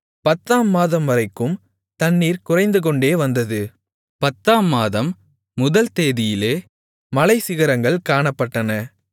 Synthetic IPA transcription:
pɐt̪ːaːmːaːðɐmʋɐɾɐɪkːɯm | t̪ɐɳːiːɾkʊrɐɪnd̪ɯk̬ɔɳɖeːʋɐnd̪ɐðɯ | pɐt̪ːaːmːaːðɐmː | ʊðɐlt̪eːðɪjɪleː | mɐlɐɪsɪɣɐɾɐŋɡɐɭkaːɳɐpːɐʈːɐnɐ

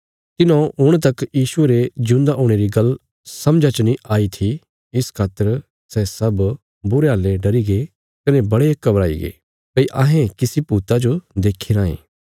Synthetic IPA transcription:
t̪ɪnõʊɽ̃t̪ɐkjiːʃʊeɾed͡ʒʊ̃nd̪aʔõːɽ̃eːɾiɡɐl | sɐ̃md͡ʒat͡ʃənĩaːit̪ʰi | ɪskʰaːt̪əɾ | sɛsɐb | bʊɾeɦaːlːeɖɐɾiɡe | kɐnebɐɽekːɐbɾaːḭɡḛː | pɐiʔãːɦẽkɪsipuːt̪ad͡ʒod̪eːkʰiɾãːḛ̃ː

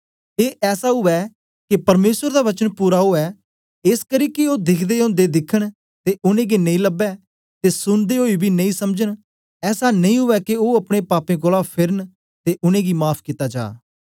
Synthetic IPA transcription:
eːʔɛːsaːɦʊɛː | kɪpəɾmeːsəɾd̪aːʋət͡ʃənpuːɾaːɦoɛː | ɪskəɾiːkɪoːd̪ɪkʰd̪eːʊ̃nd̪eːd̪ɪkʰːəɳ̃ | t̪eːʔʊnẽːɡenə̃ĩːləbɛː | t̪eːsʊnd̪eːɦoːibʱiːnəĩːsəmd͡ʒən | ɛːsaːnəĩːɦʊʋɛːkɪoːəpɽ̃eːpaːpẽːɡolaːpʰɪɾən | t̪eːʔʊnẽːɡiːmaːpʰkit̪aːd͡ʒa̰ː

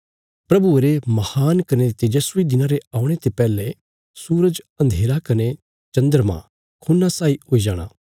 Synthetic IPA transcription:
pɾɐbueɾemɐhaːnkɐnet̪ejɐsʊid̪ɪnãɾeaːʊ̃ɽ̃et̪epɛːle | suːɾəd͡ʒɐ̃nd̪ʱeːɾakɐne | t͡ʃɐ̃nd̪əɾmã̰ | kʰuːnːasaːioːid͡ʒaːɽ̃a̰ː

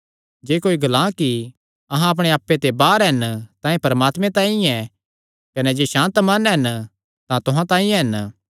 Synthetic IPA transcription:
d͡ʒeːkoːiɡɐlãːki | ɐɦãɐp̬ɽ̃eaːpːet̪ebaːɾɦɛnt̪ãːĩpɐɾəmaːt̪mẽt̪ãːĩɛ | kɐnɛd͡ʒeːʃãːnt̪mɐnɦɛn | t̪ãt̪ʊɦãt̪ãːĩɦɛn

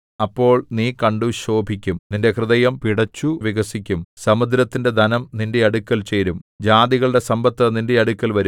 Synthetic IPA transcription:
ɐpːo̞ːɭniːkɐɳɖuɕo̞ːbʱikʲːumninde̞krɨðɐjɐmpiɽɐt͡ɕːuʋiɣɐsikʲːumsɐmud̪ɾɐt̪ːinde̞d̪ʱɐnɐmninde̞ɐɽukʲːɐlt͡ɕeːɾumd͡ʑaːd̪iɣɐɭɨɽe̞sɐmbɐt̪ːɐninde̞ɐɽukʲːɐlʋɐɾu

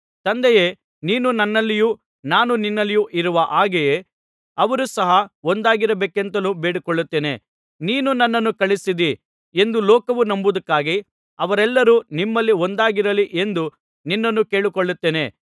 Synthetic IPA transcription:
t̪ɐnd̪ɛjeː | niːnunɐnːɐlːiju | naːnuninːɐlːijuʔiɾuʋɐʔaːɡeje | ɐʋɐɾusɐɦɐond̪aːɡiɾɐbeːkent̪ɐnubeːɽikoɭːut̪ːeːne̞̰ | niːnunɐnːɐnːukɐɭisid̪i | e̞nd̪ulɔːkɐʋunɐmbud̪ɐkːaːɡi | ɐʋɐɾɛlːɐɾunimːɐlːiond̪aːɡiɾɐliʔe̞nd̪u | ninːɐnːuke̞ːɭikoɭːut̪ːeːne

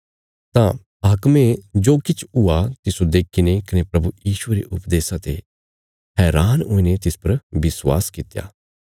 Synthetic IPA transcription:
t̪ã | aːkmẽd͡ʒoːkɪt͡ʃʰʊat̪ɪsod̪eːkʰɪnekɐnepɾɐbujiːʃʊeɾḛʔʊpd̪eːsat̪ḛ | ɦɛːɾaːnoːinet̪ɪspɐɾbɪswa̰ːskɪt̪ja̰ː

